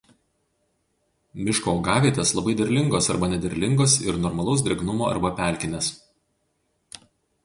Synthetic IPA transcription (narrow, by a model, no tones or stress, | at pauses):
mʲɪʃkoːɡɑːʋʲiːt̪ʲeːslˠɐbɐɪd̪ʲɛɾʲlʲɪŋɡoːsɐɾbɐnʲɛd̪ʲɛɾʲlʲɪŋɡoːsɪɾnɔɾmɐlˠɒʊs̬d̪ʲɾʲɛɡnʊmoːɐ̰ɾbɐpʲæˑlʲkʲɪnʲes